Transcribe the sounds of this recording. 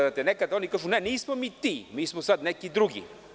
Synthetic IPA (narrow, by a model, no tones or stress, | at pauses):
t̪ɛnɛkɐd̪ɔnikaʃunɛniisməmit̪imiisməsat̪nɛkid̪ɾuɡʲḭ